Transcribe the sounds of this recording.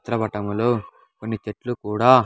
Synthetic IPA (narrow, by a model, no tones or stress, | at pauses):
t̪ɾɐbɐʈɐmuloː | ko̞nːit͡ʃeʈlukuːɽaː